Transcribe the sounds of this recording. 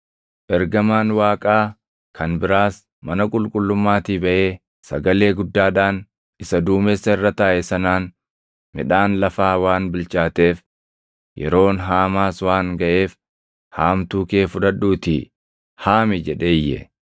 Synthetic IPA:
ʔɛɾɡɐmaːnwaːkʼaː | kʰɐnbɪɾaːs | mɐnɐkʼʊlkʼʊlːʊmːaːt̪iːbɐʔeː | sɐɡɐle̞ːɡʊd̪ːaːᶑaːn | ɪsɐd̪uːmeːsːɐɪrːɐt̪aːʔɛsɐnaːn | mɪ̰ᶑaːnlɐfaːwaːnbɪlt͡ʃʼaːt̪e̞ːf | jɛ̰ɾo̞ːnɦaːmaːswaːŋɡɐʔe̞ːf | haːmt̪uːke̞ːfʊᶑɐᶑːuːt̪ɪ̰ | haːmɪd͡ʒɛᶑe̞ːjːɛ̰

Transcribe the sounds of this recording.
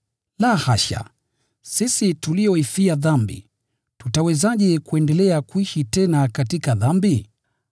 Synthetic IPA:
lahaʃa̰ | sisituliɔifiaðambḭ | tutawɛzaʄɛkuɛndɛlɛakwiʃitɛnakatikaðambi

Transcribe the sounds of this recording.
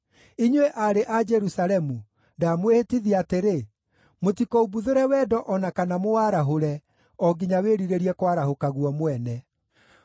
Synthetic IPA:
iɲweʔaɾeʔad͡ʒɛɾusalɛmu | damwehetiðiateɾe | motikɔubuðoɾɛwɛːdɔʔɔnakanamowaɾaɦoɾɛ | ɔɡiɲaweɾiɾeɾiɛkwaɾahokaɣwɔmwɛnɛ

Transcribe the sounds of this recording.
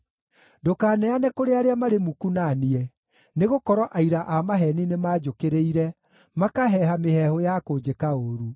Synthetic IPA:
dokaːnɛanɛkoɾeaɾeamaɾemukunaniɛ | neɣokɔɾɔʔaiɾaʔamaɦɛninemaːd͡ʒokeɾeiɾɛ | makaɦɛɦamehɛhojakoːd͡ʒekaoɾu

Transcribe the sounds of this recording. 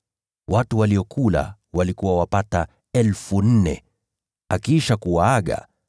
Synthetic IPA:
watuwaliɔkʰula̰walikuwawapata | ɛlfun̩nɛ̰ | akiʃakuwaaɠa̰

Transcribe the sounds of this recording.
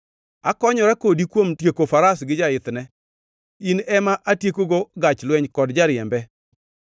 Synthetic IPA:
akɔɲɔɾakodikwomtjekofaɾasɡɪd͡ʒaɪt̪nɛ | inɛmaʔatjekoɡoɡat͡ʃlwɛɲkɔdd͡ʒaɾjɛmbɛ

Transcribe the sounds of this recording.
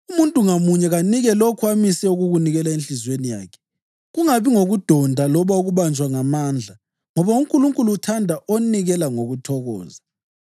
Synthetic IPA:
umuntʼuŋamuɲɛɣaniɣɛlokʰuamisɛuɣuɣuniɣɛlaenɬizwenija̰ːkʰɛ̥ | ɣuŋaβiŋoɣud̥ʱɔndʱalɔβauɣuβand͡ʒʱwaŋamaːnd͡ɮʱa | ŋɔβauŋkʼuluŋkʼuluːtʰandʱaʔoniɣɛlaŋoɣutʰɔɣɔ̰ːza

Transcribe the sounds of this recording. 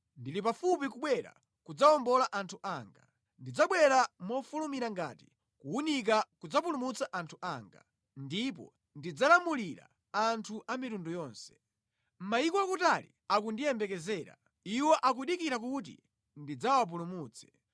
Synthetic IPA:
ndilipafupikuɓwɛɾa̰ | kud͡zaɔmbɔlaʔantʰuʔaːŋɡa | ndid͡zaɓwɛɾamɔfulumiɾaŋɡa̰ti̥ | kuunik̬akud͡zap̬ulumut͡saʔantʰuʔaːŋɡa̰ | ndip̬ɔ̰ | ndid͡zalamuliɾa̰ | antʰuʔamitundujɔːnsɛ̥ | m̩maikɔwakutalḭ | akundijɛmbɛkɛzɛːɾa̰ | iwɔʔak̬uɗikiɾak̬ut̬ḭ | ndid͡zawap̬ulumuːt͡sʰɛ̥

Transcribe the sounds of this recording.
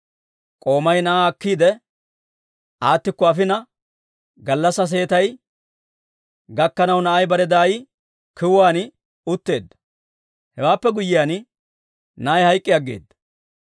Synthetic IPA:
kʼo̞ːmɐjnɐʔaɐkːiːd̪ɛ | ʔaːt̪ːɪkːɔɐfɪnɐ | ɡɐlːɐsɐs̬e̞ːt̪ɐj | ɡɐkːɐnɐwnɐʔɐjbɐɾɛd̪aːj | kɪwaːn | ʊt̪ːe̞ːd̪ːɐ̥ | hɛwaːpːɛɡʊjːɪjaːn | nɐjhɐjkʼːɪjɐɡːḛːd̪ːɐ̥

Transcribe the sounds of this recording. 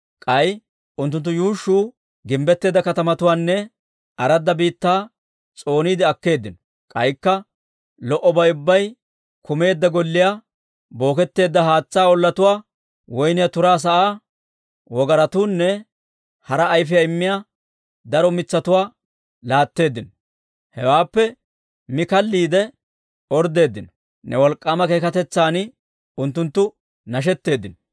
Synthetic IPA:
kʼɐj | ʊnt̪ːʊnt̪̬ːʊjuːʃːuː | ɡɪmbɛt̪ːe̞ːd̪ːɐkɐt̪ɐmɐt̪ʊwaːnːɛ | ʔɐɾɐd̪ːɐbiːt̪ːaː | t͡sʼo̞ːniːd̪ɪɐkːe̞ːd̪ːɪnɔ̥ | kʼɐjkːɐ | lɔʔɔbɐjʊbːɐj | kʊme̞ːd̪ːɐɡɔlːɪja | bo̞ːkɛt̪ːe̞ːd̪ːɐɦaːt͡sːaːɔlːɐt̪ʊwaː | wɔjnɪjat̪ʊɾaːs̬ɐʔaː | wɔɡɐɾɐt̪uːnːɛ | hɐɾɐːjfɪjɐɪmːɪja | d̪ɐɾɔmɪt͡sːɐt̪ʊwaː | laːt̪ːe̞ːd̪ːɪnɔ | hɛwaːpːɛ | mɪkɐlːiːd̪ɛ | ɔɾd̪e̞ːd̪ːɪnɔ̥ | nɛ̰wɔlkʼːaːmɐkeːkɐt̪ɛt͡sːaːn | ʊnt̪ːʊnt̪ːʊ | nɐʃ̬ɛt̪ːe̞ːd̪ːɪnɔ

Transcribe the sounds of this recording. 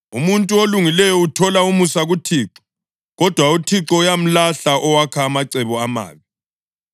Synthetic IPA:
umuntʼuoluŋilɛjɔutʰɔlaumusaɣutʰiːǁɔ̥ | ɣɔd̥ʱwautʰiǁɔujam̩laɬaʔɔwakʰaːmaǀɛβɔama̰ːβi

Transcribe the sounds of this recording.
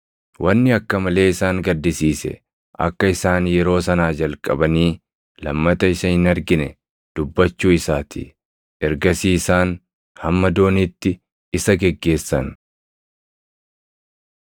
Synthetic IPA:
wʔɐnːɪɐkːɐmɐle̞ːɪsaːŋɡɐd̪ːɪsiːsɛ̰ | ʔɐ̰kːɐɪsaːnjɛɾo̞ːsɐnaːd͡ʒɐlkʼɐbɐniː | lɐmːɐt̪ɐɪsɐhɪnɐɾɡɪnɛ | d̪̥ʊbːɐt͡ʃːuːɪsaːt̪ʰɪ̰ | ʔɛɾɡɐsiːsaːn | hɐmːɐd̪o̞ːniːt̪ːɪ | ɪsɐɡɛɡːe̞ːsːɐn

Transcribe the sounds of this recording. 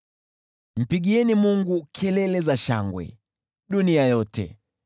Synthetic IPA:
m̩piɠiɛnimuŋɡukʰɛlɛlɛzaʃa̰ŋɡwɛ̰ | ɗuniajɔtɛ̰

